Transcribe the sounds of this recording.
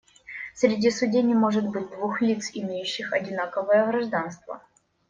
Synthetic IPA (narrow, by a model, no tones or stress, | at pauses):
sɾʲɪdʲisʊdʲenʲɪmo̞ʐɨt̪̚bɨt̚ʲd̪vuxlʲit̪sɪmʲejʉɕːɪxɐdʲɪnakəvəjəɣɾɐʐd̪anst̪və̰